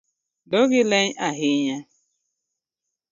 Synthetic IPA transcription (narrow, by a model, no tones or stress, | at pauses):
doɣɪleɲʔaɦɪɲa